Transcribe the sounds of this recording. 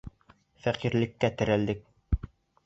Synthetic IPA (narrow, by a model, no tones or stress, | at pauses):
fæqiɾlɘ̆kːæt̪ɘ̆ɾæld̪ɘk̚